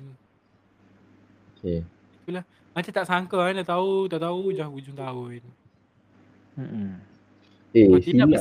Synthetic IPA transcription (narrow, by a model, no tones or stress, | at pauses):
n | okʰe | it̪ulah | mat͡ʃat̪aʔsaŋkəad̪aʔt̪aut̪aʔt̪aud͡ʒahud͡ʒʊŋt̪aʊn | m̩ | et̪iia